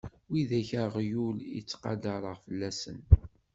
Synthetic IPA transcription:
wiðæçaʁjulḭt͡sːqɑ̰dəɾˤəʁfəlːæsə̰n

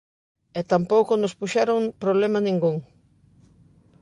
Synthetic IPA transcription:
ɛt̪ampowkonospuʃaɾoŋpɾoβlemanĩŋɡuŋ

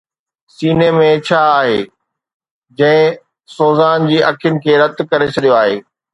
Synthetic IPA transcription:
siːnemẽt͡ɕʰaːaːɦeː | d͡ʑɐ̃ɦɪ̃ | soːzaːnd͡ʑiːʔɐkʰɪjʊnɪ̆kʰeːɾɐd̪kɐɾet͡ɕʰɐɗijoaːɦeː

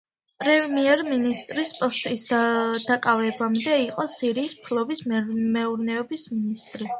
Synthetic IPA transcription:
pʼɾɛvmiɛɾminist̪ʼɾispʼɔst̪ʼisd̪d̪̥akʼavɛbamd̪ɛiqʼɔsiɾiːspʰlˠɔbismɛuɾnɛɔbisminist̪ʼɾi

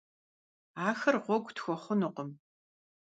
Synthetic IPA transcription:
aːxɐrʁʷɔɡʷtxʷɔχʷʊnɨqəm

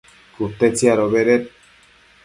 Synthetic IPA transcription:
kut̪ːet͡siaɾoβeɾet̪̚

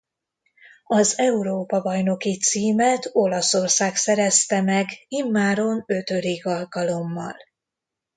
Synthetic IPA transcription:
ɒzɛuɾoːpɒbɒjno̞kit̪siːmɛt̪o̞lɒso̞rsaːksɛɾɛst̪ɛmɛɡimːaːɾo̞nø̞t̪ø̞d̪iɡɒlkɒlo̞mːɒ̰l

